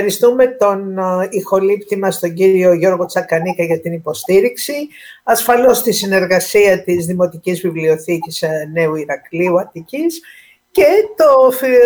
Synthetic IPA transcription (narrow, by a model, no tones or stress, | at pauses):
ɾist̪ume̞t̪o̞nixo̞lipt̪imɐst̪o̞ɲɟiɾio̞ʝo̞ɾɣo̞t͡sɐkɐnikɐʝɐt̪inipo̞st̪iɾiksi | ɐsfɐlo̞st̪isine̞ɾɣɐsiɐt̪izðimo̞t̪icizvivlio̞θicisne̞uiɾɐkliuɐt̪icis | ce̞t̪o̞f